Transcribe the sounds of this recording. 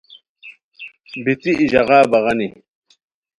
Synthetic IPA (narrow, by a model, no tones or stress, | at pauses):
bit̪iʔːʑɐʁaːbɐʁɐni